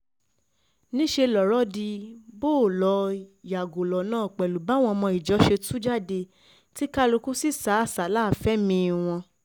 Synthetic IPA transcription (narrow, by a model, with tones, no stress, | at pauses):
nĩ˦ʃe˧lɔ˨ɾɔ˦di˧bo˦˨lɔ˨˦ja˨ɡo˨lɔ˨nãː˦˨k͡pɛ˨lu˨ba˨˦w̃ɔ̃˧mɔ̃˧i˨d͡ʒɔ˨˦ʃe˧tũ˦d͡ʒa˦˨de˧ | ti˦ka˦lo˧ku˦si˦˨sa˨˦a˦˨sa˨˦la˦˨fɛ˨˦mĩ˧w̃ɔ̃˧